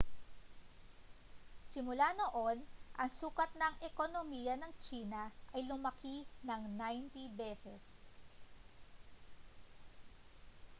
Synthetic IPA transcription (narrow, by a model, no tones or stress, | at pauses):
sɪmʊlano̞ʔo̞nʔɐŋsuːkɐt̪̚nɐŋʔɛkonomijɐnɐŋt͡ʃiːnɐʔɐjlʊmɐkinɐŋnajnt̪ibɛːsɛs